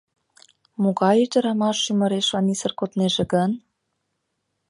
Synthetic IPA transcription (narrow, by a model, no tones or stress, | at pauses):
muɣɑjyd̪ə̆ɾɑmɑʃymə̆ɾeʃɑnisə̆rkot̪neʒĕɡən